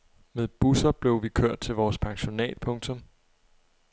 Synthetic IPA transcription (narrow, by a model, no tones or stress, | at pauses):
meðˠb̥usɐb̥le̝ʊʋikʰøɐ̰d̥̚t͡sʰe̝lʋɒːspʰɑ̈ŋɕo̝nɛ̰ːd̥̚pʰɔ̽ŋt͡sʰɔ̽m